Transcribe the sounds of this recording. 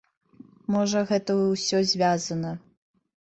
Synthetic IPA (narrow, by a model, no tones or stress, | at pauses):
mɔʐɐɣɛt̪ɐwsʲɔzʲvʲazɐnɐ